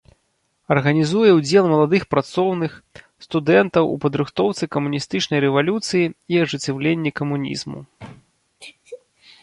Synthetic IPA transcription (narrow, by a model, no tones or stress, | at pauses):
ɐrɣɐnʲizujɛwd͡zʲɛlˠmɐlˠad̪ɨxpɾat̪sɔwnɨx | st̪ud̪ɛnt̪ɐwṵpɐd̪ɾɨxt̪ɔwt̪sɨkɐmunʲist̪ɨt͡ʂnɐjɾɛvalʲut̪sɨjiiɐʐɨt͡sʲɛwlʲenʲːikɐmunʲḭzmṵ